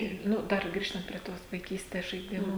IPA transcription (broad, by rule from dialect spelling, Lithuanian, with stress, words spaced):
ˈɪr ˈnʊ ˈdɐr ˈɡrʲiːʃtɐnt pʲrʲiɛ ˈtoːs ʋɐɪˈkʲiːsʲtʲɛs ʒɐɪˈdʲɪmʊ